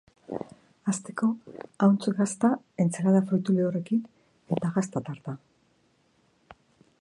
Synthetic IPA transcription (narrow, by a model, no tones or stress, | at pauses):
ast̪e̞ko̞awnt͡sɣast̪a | e̞nt͡salaðafo̞jt̪uleore̞kin | e̞t̪aɣast̪at̪aɾt̪a